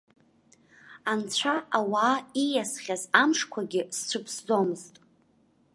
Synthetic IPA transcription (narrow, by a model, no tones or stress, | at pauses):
ant͡ɕʷʰaawaːijasχʲazamʂkʷʰaɡʲɪst͡ɕʷʰɨpʰsd͡zomɨztʼ